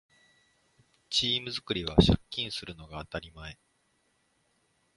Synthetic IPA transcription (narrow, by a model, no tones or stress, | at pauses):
t͡ɕiːmɯ̟zɨkɯ̟ɾʲiβaɕakʲːĩɰ̃sɨɾɯ̟no̞ɡaːt̪aɾʲimae̞